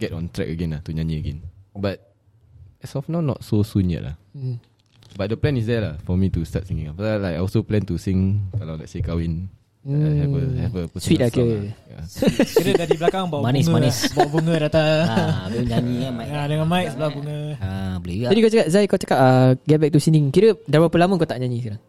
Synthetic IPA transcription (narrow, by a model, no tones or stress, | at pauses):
ɡ̥ɛtɔ̰̃nt̪ɾɛ̰kəɡɛ̃nlaht̪uɲãnĩəɡɛ̰̃nbat̚ | ɛsɔfnawnɔ̰t̚sosũnɛ̰ʔla̰h | bat̚dəplɛ̃nis̬dɛlahfɔmitusta̰t̚siŋĩŋafaalajkaɔsoplɛ̃nt̪usiŋkalawlɛ̰t̚sekawĩn | ɛəɛvəpuswit̚akəa̰kiɾədadibəlakaŋbawmanismanisbawbuŋədat̪aabloɲaɲĩamajadəŋãnmait̚səblabuŋəabəlud͡ʒadikat͡ʃakat̚zajkaot͡ʃḁkat̚aɡɛt̚bɛk̚t̪usindĩŋkiɾədaɾpapəlamə̃kot̪aʔɲãɲĩskaɾaŋ